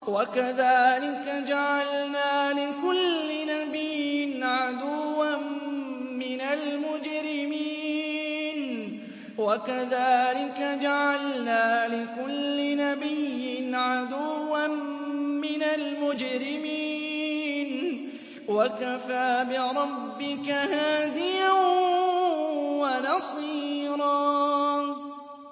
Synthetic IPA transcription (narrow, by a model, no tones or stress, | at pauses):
wakaðaːlɪkad͡ʒaʕalnaːlɪkʊlːɪnabɪjɪnʕad̪ʊwːanmɪnalmʊd͡ʒɾɪmi | n | wakaðaːlɪkad͡ʒaʕalnaːlɪkʊlːɪnabɪjːɪnʕad̪ʊwːanmɪnalmʊd͡ʒɾɪmiːn | wakafaːbɪɾˤɑbːɪkahaːd̪ɪjan | wanɑsˤiːɾˤɑː